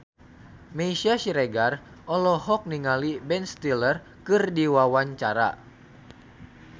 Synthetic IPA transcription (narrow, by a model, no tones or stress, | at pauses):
meisiaʃiɾeɡar | ʔɔlɔhɔk̚niŋalibɛnst̪ilər | kɨrdiwawaɲt͡ʃaɾa̰